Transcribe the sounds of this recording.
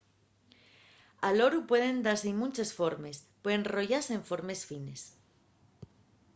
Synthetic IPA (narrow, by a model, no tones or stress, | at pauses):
alo̞ɾupweðẽ̞nd̪aɾseimũnʲt͡ʃesfo̞ɾme̞spweðẽnro̞ʝaseɱfo̞ɾme̞sfine̞s